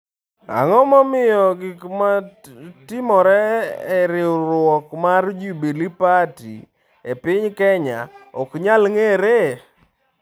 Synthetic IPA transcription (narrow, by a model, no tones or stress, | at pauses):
a̰ŋɔmɔmɪjɔɡɪkmatɪmɔɾɛːɾɪɾwɔkmard͡ʒubilipatḭ | epɪɲkɛɲa̰ɔkɲalŋeɾe